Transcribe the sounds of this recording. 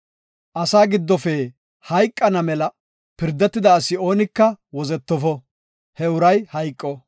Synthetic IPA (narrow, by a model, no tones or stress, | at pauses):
ʔɐsaːɡɪd̪ːɔfɛ | hɐjkʼːɐnɐmɛlɐ | pɪɾd̪ːɛt̪ːɪd̪ɐːsːɪo̞ːnɪkːɐwɔzɛt̪ːɔfɔ | hɛʊɾɐjhɐjkʼːɔ